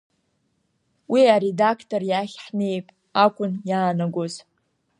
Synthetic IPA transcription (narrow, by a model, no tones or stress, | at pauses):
wiaɾe̞dakʰtʰʼorjaχʲħne̞jpʼ | akʷʼʊnjaːnaɡʷoz